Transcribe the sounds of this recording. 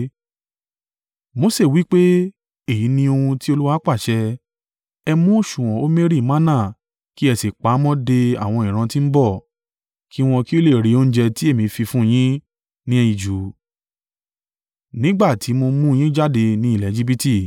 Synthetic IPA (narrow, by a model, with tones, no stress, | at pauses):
mo˧se˦˨wi˨˦k͡pe˦ | e˦˨ji˨˦nĩ˧o˧hũ˧ti˦o˧lu˦wa˦k͡pa˦˨ʃɛ˧ | ɛ˧mũ˦o˦˨ʃũ˨wɔ̃˨o˦me˦ɾi˦˨mã˦nã˦˨ | ki˦ɛ˧si˨k͡pa˨˦mɔ̃˦de˧a̰˨w̃ɔ̃˧ĩ˨ɾ̃ã˧tĩ˦m̩˦bɔ˦˨ | ki˦w̃ɔ̃˧ki˦o˦le˦˨ɾi˨˦o˦ñ̩˦d͡ʒɛ˧ti˦e˦˨mĩ˨˦fi˧fũ˦˧j̃ĩ˦ | nĩ˦ɛ˧ji˨d͡ʒu˨˦ | nĩ˦ɡ͡ba˦˨tʰi˨˦mo˧mũ˦˧j̃ĩ˦d͡ʒa˦˨de˧nĩ˨˦i˦˨lɛ˨˦d͡ʒi˦bi˦ti˦˨